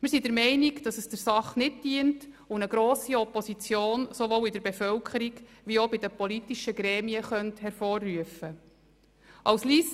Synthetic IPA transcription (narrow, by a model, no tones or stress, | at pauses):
mɪɾsidəɾmɛɪniɡd̥ɑsəsd̥əɾsɑχnɪt̚d̥iənt | ʊnəɡɾoːsiɔpɔsit͡sjoːnsoʋoːwɪdəɾbefœlkʰəɾiɡ | ʋiobɪd̪əpɔlitiʃəɡɾɛːmiəχœnthɛɾfɔːrːyəfə | ʔɑwsliːs